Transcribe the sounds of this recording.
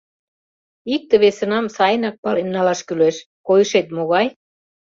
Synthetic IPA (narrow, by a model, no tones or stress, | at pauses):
ik̚t̪ĕβesə̆nɑmsɑjənɑk̚pɑlenːɑlɑʃkyleʃ | kojəʃet̪moɣɑj